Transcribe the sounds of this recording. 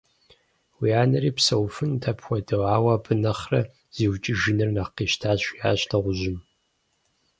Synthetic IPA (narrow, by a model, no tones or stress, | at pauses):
wiaːnɐɾiːpsɐwfɨntʰɐpʰxʷɔdɨaːwɐbʰɨnɐχrɐ | z̥iːwt͡ʃʼɪʒɪnɨrnaqiːʃtʰaːɕʷiaːɕtʰɐʁʷʊʑɪm